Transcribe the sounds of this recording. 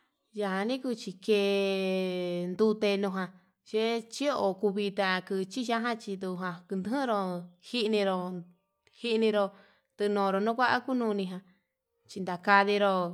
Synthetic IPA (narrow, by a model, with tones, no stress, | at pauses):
ja˧ha˧nĩ˦ku˦˧t͡ʃi˧ke˧ | nd̪u˧t̪e˧nũ˧ɦã˧ | ʃe˦t͡ʃi˦o˧˨ku˧βi˧t̪a˧kɨ˧t͡ʃi˦ʃa˦ɦã˦t͡ʃi˧d̪u˧ɦã˧kɨ˧nd̪ɨ˧˦hĩ˦ɾo˧hi˦ʔnĩ˧ɾo˧ | hi˦ʔnĩ˧ɾo˧ | t̪ɨ˧nõː˨ɾo˧nũ˦kʷa˦ʔa̰˦ku˦nũː˧nĩ˧ɦã˧ | t͡ʃi˧nd̪a˨ka˧ði˧ɾo˧